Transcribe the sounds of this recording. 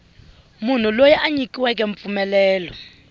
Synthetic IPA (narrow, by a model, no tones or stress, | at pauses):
mun̤ulojɛʔaɲikʼiwɛkʼɛɱp̪fumɛlɛːlɔ